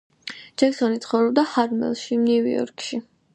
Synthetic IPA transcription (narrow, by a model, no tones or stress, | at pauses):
d͡ʒ̥ɛksɔnit̪sʰχɔvɾɛb̚d̪ahaɾmɛ̰lˠʃimnivḭɔ̰ɾkʰʃi